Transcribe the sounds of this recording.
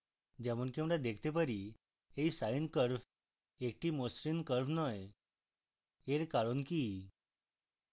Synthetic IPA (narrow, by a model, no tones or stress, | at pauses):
d͡ʑɛʋuːɳkĩʋɽad̪ekʰt̪epəɾi | eisaɭiːnkəɾf | ek̚ʈiːmosɾinkəɾfnɔj | eɾkaɭonki